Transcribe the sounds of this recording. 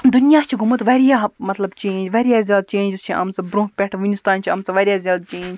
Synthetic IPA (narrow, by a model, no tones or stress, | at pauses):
d̪ʊnijaːt͡ʃʰiɡʱumɨt̪ʋeɾijaɦmɐt̪lɐbt͡ʃẽːnʲd͡ʒʋeɾijaːzʲjaːd̪̚t͡ʃẽːɲʲd͡ʒiz̥t͡ʃʰiʔɐ̰msɐbɾõːɦpʲɛʈʰʋinʲist̪aːnt͡ʃʰiɐmsɐʋɐɾʲiazʲjaːd̪̚t͡ʃeːnd͡ʒ